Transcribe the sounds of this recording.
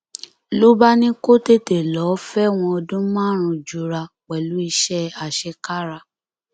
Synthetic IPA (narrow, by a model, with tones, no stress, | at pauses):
lo˦ba˦nĩ˦ko˦te˦te˨lɔ˨˦fɛ˦w̃ɔ̃˧ɔ˧dũ˦mãː˦˨ɾ̃ũ˧d͡ʒu˨ɾa˧ | k͡pɛ˨lu˦i˧ʃɛ˦a˨ʃɛ˧ka˦ɾa˧